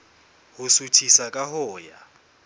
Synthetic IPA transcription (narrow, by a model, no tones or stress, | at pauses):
husutʰisakʼaɦɔːja̰